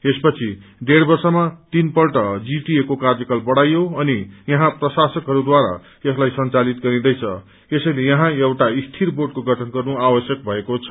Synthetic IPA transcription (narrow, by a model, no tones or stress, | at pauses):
espʌt͡sʰiɖeɽbʌrsʌmat̪inpʌlʈʌd͡ziʈiekokard͡zʌkalbʌɽajoʌnijʌɦãprʌsasʌkɦʌɾud̪waɾa̰ | ʌslajsʌnt͡salit̪ɡʌɾĩd̪ʌjt͡sʰʌ | esʌjlejʌɦãewʈaist̪ʰiɾboʈ̚koɡʱʌʈʰʌnɡʌrnuabʌsjʌk̚bʱʌekot͡sʰʌ